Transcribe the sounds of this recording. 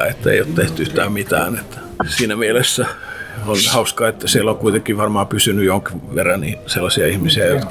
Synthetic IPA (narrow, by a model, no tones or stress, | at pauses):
et̪ːæḛijˑot̪t̪eht̪ysi̥t̪æmit̪æ̰ːnet̪ːæ̥ | siːnæmielesːæonhɑuskɑːet̪ːæsielːokkuit̪ekːˑiʋɑrmɑːpysynyjooŋkiʋerːɑnniːselːɑsiɑihmisiæjot̪k